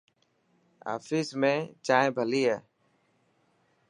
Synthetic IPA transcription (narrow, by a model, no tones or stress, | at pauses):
a̰ːfiːsmẽːt͡ʃaːẽbʱəliːaː